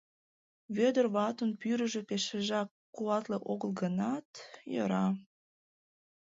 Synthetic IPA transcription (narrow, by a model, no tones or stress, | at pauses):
βød̪ərβɑt̪onpyɾəʒøpeʃeʒɑkːuɑt̪leʔoɣəlɡənɑt̪jø̰ɾɑ